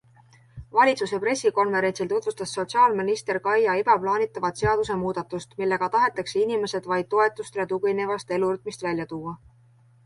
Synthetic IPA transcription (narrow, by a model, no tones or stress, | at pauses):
vɑlʲit̪suse̞pre̞sʲːiko̞nve̞ɾe̞nsilt̪od̪vust̪ɑsːo̞t̪siɑːlminist̪e̞rkɑjɑib̥ɑplɑːnit̪ːˑɑvɑt̪se̞ɑd̪us̬e̞muːd̪̥ɑt̪ːˑust̪milːe̞ɡ̥ɑt̪ɑɦe̞t̪ːˑɑkseinime̞se̞d̪̥vɑjd̪̥̚t̪ːo̞e̞t̪ːˑust̪ɾet̪ukijnevɑst̪e̞luryt̪̚ˑmist̪vælʲjɑt̪uːɑ